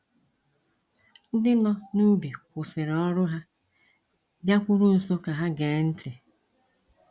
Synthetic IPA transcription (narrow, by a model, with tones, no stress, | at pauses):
n̩˦dɪ˦nɔ˦nu˦bi˨kʷʊ˨sɪ˨ɾɔ˦ɾʊ˦ɦa˦ | bja˦kʷʊ˦ɾʊ˦n̩˨so˦ka˨ɦa˦ɡeː˨˦n̩˦tɪ˨